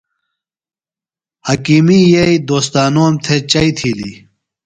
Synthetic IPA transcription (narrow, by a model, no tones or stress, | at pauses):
hɐkimijeid̪oːst̪aːnoːmt̪ʰet͡ɕɐit̪ʰiːlḭ